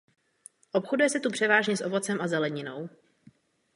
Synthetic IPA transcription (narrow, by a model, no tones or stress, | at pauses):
ʔo̞pxodujɛsɛt̪upr̝̥ɛvaːʒɲɛsʔovo̞t͡sɛmʔazɛlɛɲɪno̞w